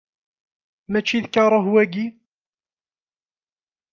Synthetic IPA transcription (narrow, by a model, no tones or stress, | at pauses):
mæt͡ʃːiðkɑɾˤoɦuwæɡi